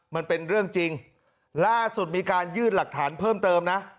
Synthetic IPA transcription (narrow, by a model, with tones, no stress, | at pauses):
ma˧npe˧nɾɯ˥˩əŋt͡ɕi˧ŋ | laː˥˩su˨˩t̪̚miː˧kaː˧njɯː˥˩nla˨˩k̚t̪ʰaː˩˦npʰɤː˥˩mt̪ɤː˧mna˦˥ʔ